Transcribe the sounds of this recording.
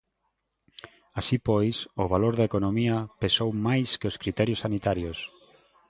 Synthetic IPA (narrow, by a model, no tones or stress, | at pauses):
asipojsoβ̞aloɾðaekonõmiɐpesowmajskeoskɾit̪ɛɾjosːanit̪aɾjos